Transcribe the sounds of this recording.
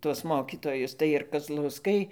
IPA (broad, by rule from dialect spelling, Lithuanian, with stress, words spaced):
tuɔs ˈmoːkʲɪtoːjʊs tɐɪ ɪr kɐzlˠɐʊˈskɐɪ